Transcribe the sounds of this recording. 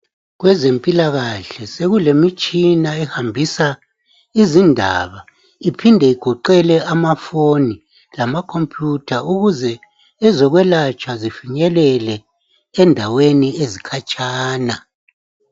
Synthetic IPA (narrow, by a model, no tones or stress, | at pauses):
ɣwɛzempʼilaɣaɬɛseɣulemit͡ʃʼinaɛhambʱisa | izindʱa̰βa | ipʰindʱɛiɡ̥ʱɔǃɛlɛamafoni | lamakʰompʰʼjutʰaʔuɣuzɛ | ɛzɔɣwɛlat͡ʃʼazifiɲɛlɛlɛ | ɛndʱaweniezikʰat͡ʃʼʰaːna